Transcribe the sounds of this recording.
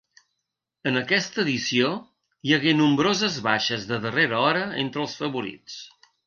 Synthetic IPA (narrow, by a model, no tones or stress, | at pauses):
ənəkɛst̪əːðisio | jəɣenumbɾozəzβaʃəzðəðəreɾəɔɾəḛnt̪ɾəlˠsfəβuɾḭt͡s